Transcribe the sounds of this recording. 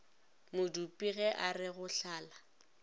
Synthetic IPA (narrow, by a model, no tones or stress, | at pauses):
mʊdupʼiɣɛʔarɪɣʊɬaːla